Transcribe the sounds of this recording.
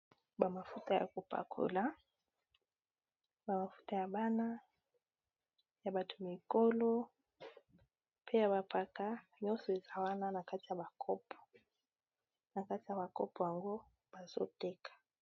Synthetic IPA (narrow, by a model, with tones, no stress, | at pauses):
ba˨ma˨fu˦ta˦˨ja̰˨ku˨pa̰˨kʰṵ˨la˦ | ba˨ma˨fu̥˦ta˨ja˨ba˦na˦ | ja˨ba˦tu˨mi˨kɔ˦lɔ˦ | pʰe˦ja˨βa˨pa˨ka˦ɲɔ˦sɔ˨e˨za˦wa˦na˦na˨ka˦ti˨ja˨ba˨kʰɔ˦pʰɔ̥˨ | na˨ka˦ti˨ja˨ba˨kɔ˦pɔ˨ja˨ŋɡo˦ | ba˨z̥o̰˦tɛ˦kḁ˨